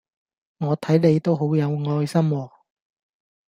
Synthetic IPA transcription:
ŋɔː˨˧t̪ʰɐ˨˥jle˨˧jt̪o˥wɦo˨˥wjɐ˨˧wŋɔː˧jsɐ˥mwɔː˨˧

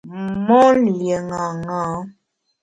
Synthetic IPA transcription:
m˨mɔ˦n˨lje˨ŋa˨ŋa˨˦

